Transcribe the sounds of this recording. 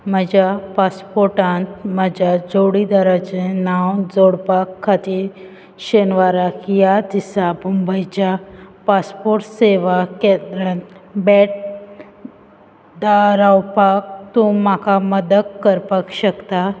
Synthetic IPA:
məd͡ʑapaspoɾʈãnt̪mad͡ʑad͡zoɽid̪aɾat͡ɕenawd͡zoɽpakʰːat̪iːɾ | ɕenʋaɾakjad̪isabumbəjt͡ɕapaspoɾʈseʋaked̪ɾant̪bɛʈ̚ | d̪aɾawpak̚t̪umakaməd̪əkkəɾpəkɕəkt̪a

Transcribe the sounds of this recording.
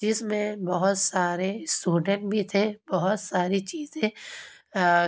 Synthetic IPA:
d͡ʒɪsmẽbɐɦʊt̪saːɾesʈuːɖə̃ɳʈ̚bʱit̪ʰebɐɦʊt̪saːɾit͡ʃiːzẽ

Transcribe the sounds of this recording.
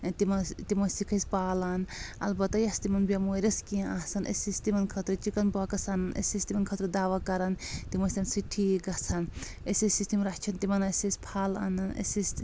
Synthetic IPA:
t̪imɐt̪imɐsikʰɐsʲpaːlɐnɐ̰lbɐt̪ːɐjɐst̪imɐnbɐmoɾʲɐskĩʔasɐnʔḛsist̪imɐnkʰɐt̪ɾut͡ʃikɐnbɔkɐsannʔḛsist̪imɐnkʰɐt̪ɾud̪aːʋɐkɐɾɐnt̪imɐsʲɐnsiʈʰiɡɐt͡sʰɐn | esisist̪imɾɐt͡ʃʰɐnt̪imɐnɐsisʲpʰaːla̰nɐnʔḛsis

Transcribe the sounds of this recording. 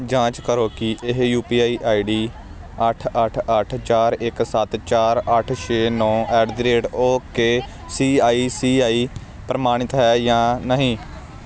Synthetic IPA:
d͡ʒãːt͡ʃkəɾoːkiʔɪɦjuːpiːaːiːʔaːiːɖiː | əʈʰəʈʰəʈʰt͡ʃaːɾɪksət̪t͡ʃaːɾəʈʰt͡ʃʰeːnɔ̃ːɛːɖd̪ɾeːʈoːkeː | siːaːiːsiːaːiː | pɾəmaːɽ̃ɪt̪ɦɛːjãːnəɦĩː

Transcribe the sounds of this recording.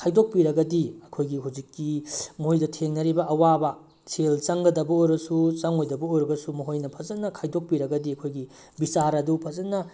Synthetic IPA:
kʰajdok̚piɾɐɡɐdiɐkʰojɡiɦawd͡ʒikːimojdɐtʰeŋnɐɾibɐʔɐwabɐ | sʰelt͡ʃɐŋɡɐdɐbɐojbɐsut͡ʃɐŋojdɐbɐojɾɐbɐsumɐɦojnɐpʰɐzɐnːɐkʰajdok̚piɾɐɡɐdiɐkʰojɡi | bisaɾɐdupʰɐzɐnɐ

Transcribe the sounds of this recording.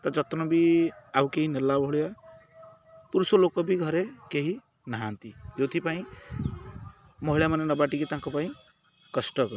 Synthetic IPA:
t̪ɔd͡ʒɔt̪nɔbiawkeɦinelabʱɔɦɭja | puɾusɔlokːɔbiɡʱʌɾekeɦi | naɦant̪id͡ʒewt̪ʰipaĩ | mɔɦiɭamanenɔbaʈiket̪ãŋkɔpaĩ | kɔsʈɔkɔɾ

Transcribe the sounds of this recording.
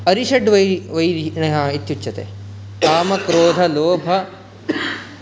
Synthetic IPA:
ɐɾiʃɐɖʋɐʋɐjɾinɐɦãːit̪ːjut͡ʃːt͡ʃʰːɐt̪ḛː | aːmɐkɾoːd̪ʱɐloːbʱɐ

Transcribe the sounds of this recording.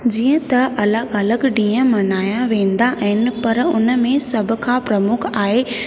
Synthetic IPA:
d͡ʑiːə̃t̪ɐʔɐləɡɐləɡɖĩːə̃mɐnaːjãʋẽːnd̪aʔɦɪnɪ̆pɐɾʊnəmẽsɐbʱʊ̆kʰãpɾɐmʊkʰaːɦe

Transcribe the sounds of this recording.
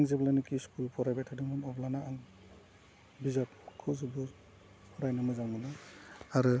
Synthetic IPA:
ŋziblanɯkiskulpʰɔɾajbatʰadimɔnɔblanaːŋ | bizap̚kʰɯzɯbɯ | pʰɔɾajnɯmɔzaŋmɯnɯaɾɯ

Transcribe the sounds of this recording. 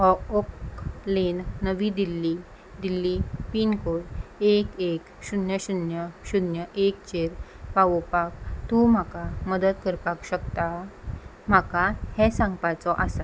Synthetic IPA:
ɔoklenːəʋid̪ilːi | d̪ilːipiːnkoɽekek | ɕunjəɕunjəɕunjəʔekt͡ɕeɾpaʋɔpak̚t̪um̤akaməd̪ət̪kəɾpakɕəkt̪a | m̤akahɛ̃sãŋɡpat͡sɔʔasa

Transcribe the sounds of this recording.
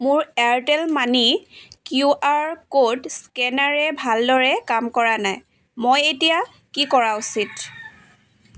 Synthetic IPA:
mʊɹɛɹtɛlmanikjuʔaɹkodskɛnaɹɛbʱaldɔɹɛkamkɔɹanaj | mojetija | kikɔɹausit

